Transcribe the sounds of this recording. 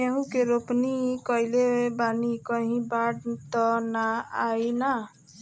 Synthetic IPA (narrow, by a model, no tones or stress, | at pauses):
eɦũkeɾopnikʌjlebanikəɦĩbaɽt̪ɔnaajna